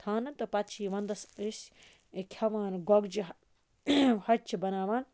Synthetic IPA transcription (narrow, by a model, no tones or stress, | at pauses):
t̪ʰaːnɐnt̪ɐpɐt̪t͡ʃʰiːʋɐnd̪ɐsisʲ | kʲʰɐʋaːnɡoɡd͡ʒi | hɐt͡ʃʰibɐnaːʋaːn